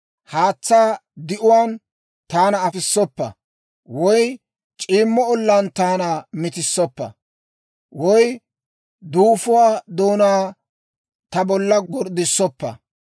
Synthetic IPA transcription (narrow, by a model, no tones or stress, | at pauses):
haːt͡sːaːd̪ɪʔʊwaːn | t̪aːnɐːfɪsːɔpːɐ̰ | wɔj | t͡ʃʼiːmːɔɔlːɐnt̪aːnamɪt̪ɪsːɔpːɐ̰ | wɔj | d̪uːfʊwaːd̪oːnaː | t̪ɐbɔlːɐɡɔɾd̪ɪsːɔpːɐ̰